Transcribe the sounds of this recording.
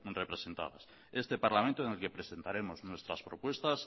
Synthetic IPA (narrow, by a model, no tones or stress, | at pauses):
repɾese̞nt̪a̰ða̰s | est̪epaɾlamẽnt̪oeŋelkepɾesent̪aɾe̞moznwe̞st̪ɾaspɾopwe̞st̪as